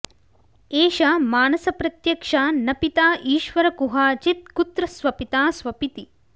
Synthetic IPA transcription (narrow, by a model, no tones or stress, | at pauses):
eːʃamaːnɐsɐpɾɐt̪jɐkʂanɐpit̪aːʔiːʃʋɐɾɐkuɦaːt͡ʃit̪̚kut̪ɾɐsʋɐpit̪aːsʋɐpit̪i